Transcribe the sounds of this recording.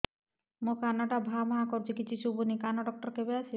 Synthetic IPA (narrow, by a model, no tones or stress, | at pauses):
mokanaʈabʱamɔɦakoɾt͡ɕikit͡ɕʰiʃubonikanaɖɔk̚ʈɔɾkebeat͡ʃʰi